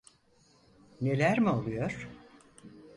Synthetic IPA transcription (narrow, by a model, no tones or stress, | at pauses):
ne̞lʲæɾmiolˠujoɾ̥